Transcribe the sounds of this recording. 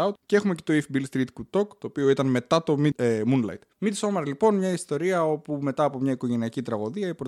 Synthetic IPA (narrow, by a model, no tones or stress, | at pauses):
ut̪cee̞xumece̞t̪o̞ifibilst̪ɾit̪kut̪o̞kt̪o̞ːpio̞it̪ɐnme̞t̪ɐt̪o̞mimunlɐ̰jt̪mit̪iso̞mɐɾlipo̞nmɲɐist̪o̞ɾiɐo̞pume̞t̪ɐːpo̞mɲɐiko̞ʝe̞niɐcit̪ɾɐɣo̞ðiɐipɾo